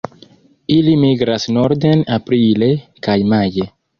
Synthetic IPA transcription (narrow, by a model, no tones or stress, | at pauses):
ilimiɡɾasnoɾd̪enapɾilekajmaje